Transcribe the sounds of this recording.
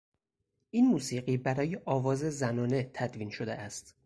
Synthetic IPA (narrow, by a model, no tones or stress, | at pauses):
ʔiːnmuːsiːɢiːbæɾɒːjeʔɒːvɒːze̞zænɒːne̞t̪ʰæd̪viːnʃod̪eʔæst̪